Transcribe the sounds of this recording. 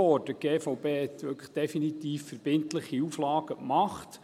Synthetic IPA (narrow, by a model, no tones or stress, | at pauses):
ɔːɾd̥əɡ̥eːfɔwpeːɛt̪ʋɵkʰə̥χd̥ɛfinit̪iːfːəɾb̥ɪnt̪ləχiuflɑːɡ̥əkmɑχt̪